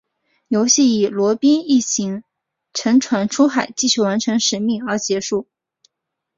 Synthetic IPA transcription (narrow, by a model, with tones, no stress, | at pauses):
jo˧˥ʊɕi˥˩i˨˩lwɔ˧˥pi˥ni˥˩t͡ɕʰi˧˥ŋ | ʈ͡ʂʰɤ˧˥ŋʈ͡ʂʰwa˧˥nʈ͡ʂʰu˥xa˨˩ɪt͡ɕi˥˧ɕy˥˩wa˧˥nʈ͡ʂʰɤ˧˥ŋʂɻ̩˨˩mi˥˩ŋə˞˧˥t͡ɕjɛ˧˥ʂu˥˩